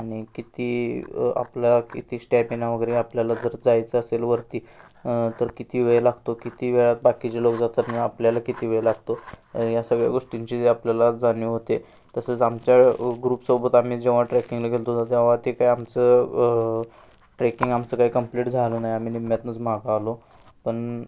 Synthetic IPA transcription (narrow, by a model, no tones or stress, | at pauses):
aɽ̃ikit̪iːa̰plakit̪iːsʈɛpinaʋəɡəɾeapljalad͡zəɾd͡zajt͡səəselʋəɾt̪iː | t̪əɾkit̪iːʋeɭlaɡʱt̪okit̪iːʋeɭat̪̚bakit͡ɕelokd͡zat̪əniapljalakit̪iːʋəɭelaɡt̪ojasəɡɭja̰ɡoʂʈiɲt͡ɕiːeapljalad͡zanjuɦot̪e | t̪əsət͡samt͡ɕjaɡɾuːpsobət̪am̤iːd͡ʑeʋaʈɾɛkiŋɡləɡʱelt̪od͡z̪at̪eaʋat̪ekaiamt͡sə | ʈɾækiŋɡamt͡səkaɦiːkəmpliʈd͡zʱalənajamiːnimjat̪nət͡sm̤aɡaːlo | pəɳ